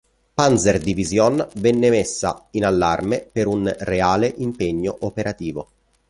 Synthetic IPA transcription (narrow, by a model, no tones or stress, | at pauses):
panzerd̪ivizjɔnvɛnːemesːa̰inalːarmepeɾunreaːleʔimpeɲːoʔopeɾat̪iːvo